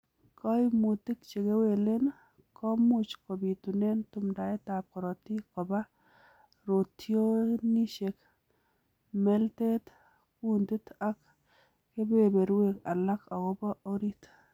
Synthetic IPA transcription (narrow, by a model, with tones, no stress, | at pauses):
kʰɔ˦i˦mu˨ti˦kt͡ʃe˨ke˦we˨le˦n | kʰɔ˦mu˦t͡ʃko˨bi˨tu˨ne˦ntu˦mda˨e˦ta˨p̚kɔ˨ɾɔ˨ti˦kɔ˨ba˦ | ɾo˨tjo˦ni˦ʃe˨k | me˦lte˦t | ku˦ndi˦ta˦k | ke˦be˦˨be˨ɾwe˦ka̰˨la˦ka˨kɔ˦bɔ˦ʔo˦ɾi˦t